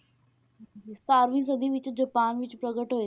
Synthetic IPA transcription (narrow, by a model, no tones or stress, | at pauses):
ist̪aːɾʋĩːs̬əd̪iːʋɪt͡ɕd͡ʑəpaːnʋɪt͡ɕpɾəɡəʈɦoe